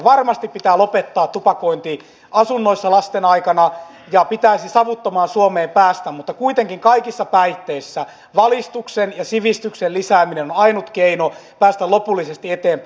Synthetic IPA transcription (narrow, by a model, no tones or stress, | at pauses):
ʋɑrmɑst̪ippit̪æːlopet̪ːɑːt̪tupɑkoint̪i | ɑsunːoisːɑlɑst̪enɑikɑnɑ | jɑpit̪æisisɑʋut̪ːomɑːnsuomeːmpæːst̪æmmut̪ːɑkuit̪eŋkiŋkɑikisːɑpæit̪ːeisːæ | ʋɑlist̪uksenjɑsiʋist̪yksellisæːminenonɑinut̪keinopæːst̪ælopulːisest̪iet̪eːmp